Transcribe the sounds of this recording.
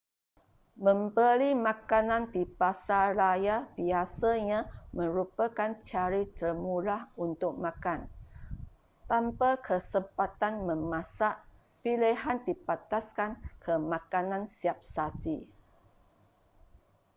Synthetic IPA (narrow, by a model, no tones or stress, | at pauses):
mə̃mbəlimãkanãndibasaɾajabiasaɲãmə̃ɾupəkant͡ʃaɾit̪ərmulahunt̪ʊk̚makan | t̪ampakʰəsəmpat̪anmə̃mãsaʔ | piliɦandipat̪askankʰəmãkanãnsiap̚sad͡ʒi